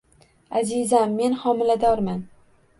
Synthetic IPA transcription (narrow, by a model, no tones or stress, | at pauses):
azɪzamːe̞nhɒmɪlad̪ɒɾman